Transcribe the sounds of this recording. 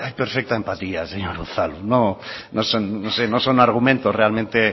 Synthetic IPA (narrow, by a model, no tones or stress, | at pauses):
ajpeɾfek̚t̪aempat̪iaseɲoɾuθalunonosonːosenosonaɾɣ̞umẽnt̪orealmẽnt̪e